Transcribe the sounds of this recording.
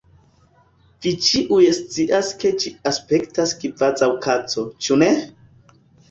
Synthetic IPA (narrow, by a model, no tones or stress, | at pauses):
vit͡ʃiʔujest͡siʔaske̞d͡ʒiaspe̞ktaskivazawkat͡so̞t͡ʃune̞